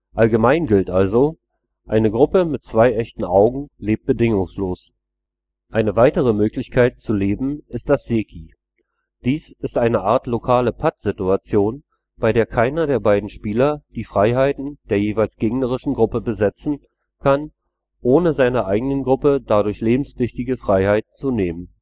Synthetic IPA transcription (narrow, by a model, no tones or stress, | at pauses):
ʔalɡəmaɪnɡɪltʔalzo | ʔaɪnəɡʁʊpəmɪt̚t͡sv̥aɪʔɛçtn̩ʔaʊɡŋ̩leːp̚t̚b̥ədɪŋʊŋsloːs | ʔaɪnəvaɪtəʁəmøːklɪçkʰaɪt̚t͡suleːbm̩ɪst̚d̥asz̥eːkʰi | d̥iːsɪstʔaɪnəʔaːɐtlokʰaːləpʰatz̥ɪtuat͡sjoːn | b̥aɪdeːɐkʰaɪnɐdeːɐbaɪdn̩ʃpiːlɐd̥iːfʁ̥aɪɦaɪtn̩d̥eːɐjeːvaɪlsɡ̥eːɡnəʁ̞ɪʃn̩ɡʁʊpəbəzɛt͡sn̩ | kʰan | ʔoːnəzaɪnɐʔaɪɡənənɡʁʊpədadʊɐçleːbm̩sv̥ʏçtɪɡəfʁ̥aɪhaɪt̚n̩t͡suneːmən